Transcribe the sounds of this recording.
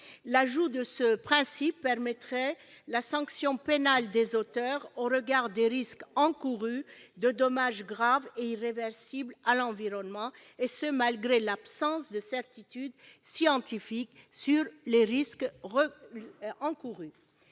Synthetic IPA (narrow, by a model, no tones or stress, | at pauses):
laʒud̪əsəpχɛ̃sipːɛʁmɛt̪χɛlasɑ̃ksjɔ̃penald̪ezot̪œʁoʁəɡaʁd̪eʁiskɑ̃kuʁyd̪əd̪ɔmaʒɡʁaveiʁevɛʁsiblalɑ̃viʁɔnmɑ̃ | esəmalɡʁelapsɑ̃sd̪əsɛʁt̪it̪yd̪sjɑ̃t̪ifiksyʁleʁisk | ɑ̃kuʁy